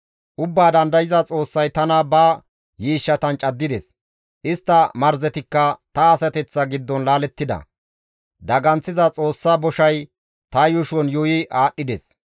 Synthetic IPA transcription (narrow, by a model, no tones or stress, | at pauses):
ʔʊbːaːd̪ɐnd̪ɐjɪzɐt͡sʼo̞ːsːɐjt̪ɐnɐbɐ | jiːʃːɐt̪ɐnt͡ʃʼɐd̪ːɪd̪ɛs | ʔɪst̪ːɐmɐɾzɛt̪ɪkːɐt̪ɐːsɐt̪ɛt͡sːɐɡɪd̪ːɔnlaːlɛt̪ːɪd̪ɐ̰ | d̪ɐɡɐnt͡sːɪzɐt͡sʼo̞ːsːaːbɔʃɐj | t̪ɐjʊʃɔnjʊjɪʔaːɗːɪd̪ɛs